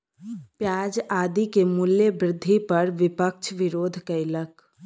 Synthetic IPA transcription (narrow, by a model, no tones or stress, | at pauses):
pjaːd͡ʒaːd̪ikemuljəbɾɪd̪ʱːipəɾʋɪpəkt͡ʃʰʋɪɾoːd̪ʱkəɪlək